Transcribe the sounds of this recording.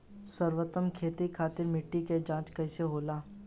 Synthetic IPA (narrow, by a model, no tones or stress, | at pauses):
səɾwət̪əmkʰeːt̪ikʰaːt̪ɪɾmɪʈːiked͡ʒãːt͡ʃkɐɪseɦoːlaː